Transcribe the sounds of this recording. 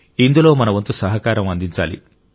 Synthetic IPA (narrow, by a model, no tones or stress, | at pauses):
ind̪ulo̞ːmɐnɐʋɐnt̪usɐɦɐkaːɾɐmɐnd̪iɲt͡ʃa̰ːlḭ